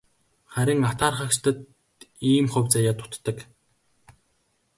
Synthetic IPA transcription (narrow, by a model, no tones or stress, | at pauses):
χæɾʲɪ̆ŋat̪aːrχə̆kt͡ɕt̪ə̆t̪ | iːmχɵ̟wʲt͡sajaːt̪ʊ̥t̪ːə̆k